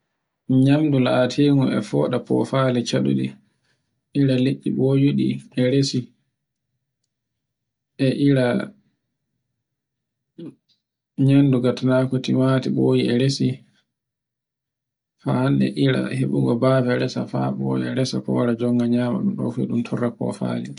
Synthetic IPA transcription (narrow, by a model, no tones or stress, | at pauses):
ɲamdulaːtʰeːŋuɛ̰fɔːɗapɔ̰falɛt͡ʃaɗuɗi | ʔiɾaleʔːiɓojuɗḭɛɾesi | ɛʔiɾa | ɲanduɡatanakotimatiɓoːjiɛɾesi | fahandɛ̰ʔiɾa̰heɓuɡɔbaːvɛɾɛsa̰faɓɔjɛɾɛsa̰kɔwaɾad͡ʒɔŋɡaɲaːma̰ɗumɗɔ̰fuɛ̰ɗumtʰɔrːapɔ̰fa̰ːlɛ